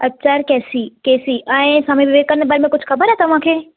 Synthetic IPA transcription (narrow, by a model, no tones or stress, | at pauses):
ɐtːʃʰaɾkɛːsikeːsiʔɛ̃sameʋɪʋeːɡ̚kːɐɾənbaːɾmẽkʊd͡ʒʱxɐbəɾɦɛt̪ɐʋ̤ãkʰeː